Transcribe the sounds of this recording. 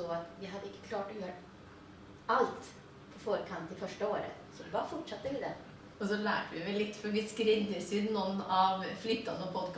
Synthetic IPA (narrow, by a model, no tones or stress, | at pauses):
oːat̪ʋɪɦɑd̪ːəɪkːə̥kʰlɑːʈɔjøːɾ | alt̪ | pʰɔfoːɾəkʰɑnt̪ʰːɪlfœʂʈəoːɾə̰ | sɔbɑːɾfɔʈʂɑt̪ːəʋɪd̪ɛ̰ | ɔsɔlæ̰ːʈʋɪʋɛlːɪt̪ːfɔʋɪskɾɪnd̪əɾsʏnnɔnːɑʋflʏːt̪ːɑnəpʰɔd̪kʰ